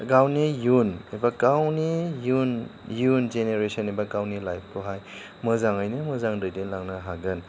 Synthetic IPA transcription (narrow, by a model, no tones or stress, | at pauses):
ɡawnijunebakawnijunjund͡ʒeneɾesɔnebaɡawnilajp̚ʰkʰoɦaj | mɯzaŋɯjnɯmɯzaŋdɯjdelaŋnaɦaɡɯn